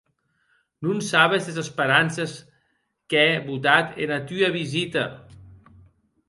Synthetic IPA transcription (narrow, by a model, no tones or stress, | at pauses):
nunsaβezðezespəɾanses | keɛβut̪at̪ḛnat̪yaβizit̪ɐ